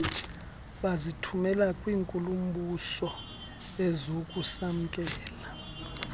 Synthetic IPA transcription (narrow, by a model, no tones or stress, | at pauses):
ɓazitʰumɛlakʼwiːŋkʼulum̩ɓusɔ | ɛzokʼusam̩kʼɛːla